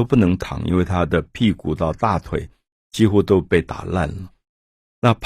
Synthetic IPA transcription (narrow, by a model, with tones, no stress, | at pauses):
o˥ʊpu˥˩nɤ˧˥ŋt̪ʰɑ̰˨˩˦ŋʔḭ˥nwe˥˩ɪt̪ʰa˥d̪ə˨pʰi˥˩ku˨˩t̪ɑ˥˧ʊt̪a˥˩t̪ʰwḛ˥˩ɪ | t͡ɕi˥xu˥t̪o˥ʊpe˥˩ɪt̪a̰˨˩la̰˥˩nlə˩ | na˥˧pʰ